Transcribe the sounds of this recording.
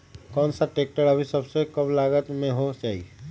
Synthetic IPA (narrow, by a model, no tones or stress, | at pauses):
kɔːnsaʈeːk̚ʈəɽɐbʱisɐbsekɐblaːɡət̪mẽɦot͡ʃaːɦḭ